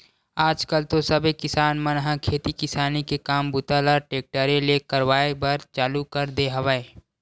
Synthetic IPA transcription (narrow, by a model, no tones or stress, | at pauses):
aːd͡ʒkəlt̪osəbʱekɪsaːnmənɦãkʰeːt̪ikɪsaːnikekaːmbʊt̪aːlaʈeːk̚ʈəɾelekəɾwaːebəɾt͡ʃaːlukəɾd̪eɦɐʋəe